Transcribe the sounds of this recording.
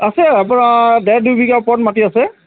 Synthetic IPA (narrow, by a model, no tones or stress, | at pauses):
asɛapʊnadɛdujbʱikapɔtmatiasɛ